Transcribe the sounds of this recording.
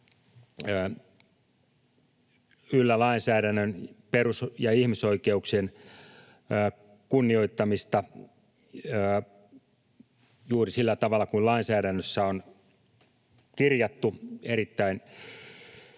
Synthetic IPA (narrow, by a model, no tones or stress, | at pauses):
ylːælɑinsæːɾænːønperusjɑihmisoikeuksienː | kunːioit̪ːɑmist̪ɑ | juːrisilːæt̪ɑʋɑlːˑɑkulɑinsæːɾænːøsːæon | kirjɑt̪ːueɾit̪ːæin